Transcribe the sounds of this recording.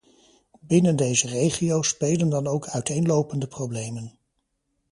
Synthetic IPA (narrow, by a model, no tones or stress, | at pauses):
bɪnəndejzərejχiowspejləndɑnowkʰœɥtejnlowpəndəprowblejmən